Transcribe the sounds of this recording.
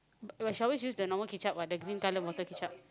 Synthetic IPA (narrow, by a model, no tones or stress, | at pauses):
aʃawis̬jusdənɔməkit͡ʃap̚wadəɡɾĩnkalə̃nwɔt̪əkit͡ʃap̚